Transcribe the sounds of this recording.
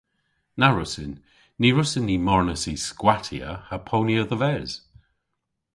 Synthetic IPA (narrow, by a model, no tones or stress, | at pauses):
naɹʊsɪnː | iɹʊsɪnːimɔɹnəsiskwatʰiə̰hapʰowniəðəvɛz̥